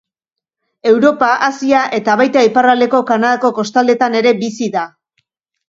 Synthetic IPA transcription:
e̞wɾo̞paʔasiaʔe̞t̪aβajt̪aiparald̪e̞ko̞kanað̞ako̞ko̞st̪ald̪e̞t̪ane̞ɾe̞bisiða

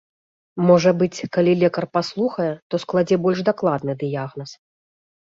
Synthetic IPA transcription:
mɔʐɐbɨt͡sʲkalʲilʲɛkɐrpaslˠuxɐjɛt̪ɔsklˠad͡zʲɛbɔlʲʂd̪aklˠad̪nɨd̪ɨjaɣnɐs

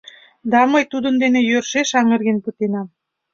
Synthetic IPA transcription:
d̪ɑməjt̪ud̪ənd̪enejørʃeʃɑŋə̆rɣenpət̪enɑm

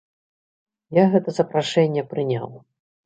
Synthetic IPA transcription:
jaɣɛt̪ɐzɐpɾaʂɛnʲːɛpɾɨnʲa̰w

